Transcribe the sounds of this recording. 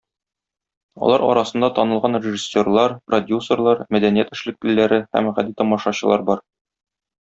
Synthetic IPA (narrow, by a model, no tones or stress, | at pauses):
ɒ̰lˠɑɾɒ̰ɾɑsɤ̆nd̪ɑt̪ɒnɤ̆lˠʁɑnrʲɪʒisʲːorlˠɑɾprod̪ʲjusərlˠɑɾmæd̪ænijæt̪ɘ̆ʃlɘ̆k̚lɘ̆lːæɾɘhæ̰mʁæd̪it̪ɒmɑʃɑɕɤ̆lˠɑ̰ɾbɒɾ